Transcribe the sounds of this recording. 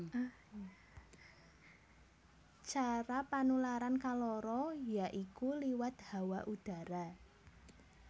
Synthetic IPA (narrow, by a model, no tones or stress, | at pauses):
t͡ʃaɾapanulaɾankalɔɾɔjaʔikuliwat̪̚hawaʔud̪̥a̤ɾa